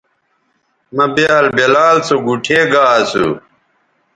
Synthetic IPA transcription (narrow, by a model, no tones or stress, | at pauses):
mɐbjaːlbelaːlt͡soɡuʈʰeːɡaːsṵ